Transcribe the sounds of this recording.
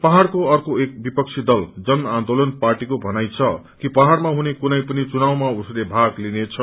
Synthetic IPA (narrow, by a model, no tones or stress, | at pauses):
paɦarkoʌrkoek̚bipʌk̚t͡sʰid̪ʌld͡zʌnãnd̪olʌnparʈikobʱʌnajt͡sʰʌ | kipaɦarmaɦunekunʌjpʌnit͡sunawmauslebʱaɡlinet͡sʰʌ